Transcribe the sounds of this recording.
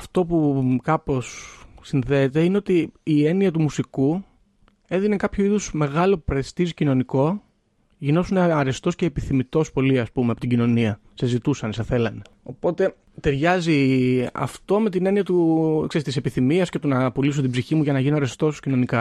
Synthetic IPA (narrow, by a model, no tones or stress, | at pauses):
ɐft̪o̞pukɐpo̞sːinðe̞ːt̪e̞ineot̪iːe̞niɐt̪umusiku | eðine̞kɐpçuiðusme̞ɣɐlo̞pupɾɐei̥st̪izicino̞niko̞ | ʝino̞suneɐɾe̞st̪o̞sce̞ːpiθimit̪o̞spo̞liɐspumeɐpo̞t̪iɟino̞niɐ | se̞zit̪usɐnesɐθe̞lɐne̞ | o̞po̞t̪e̞ | t̪e̞ɾʝɐziɐ̰ft̪o̞me̞t̪ine̞niɐt̪ukse̞ɾist̪ise̞piθimiɐsce̞t̪onɐpolisot̪ibziçimuʝɐnɐʝinoɐɾe̞st̪o̞scino̞nikɐ